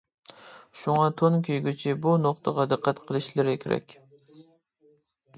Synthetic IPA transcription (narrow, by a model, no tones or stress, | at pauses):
sʊŋɑt̪ʰonkʲʰyjɡʲyt͡ʃʰɪbunoqt̪ʰəʁɑd̪ɨqːæt̪qʰəlˠɨʃlɪɾɪkʲʰeɾɛ̰kʲ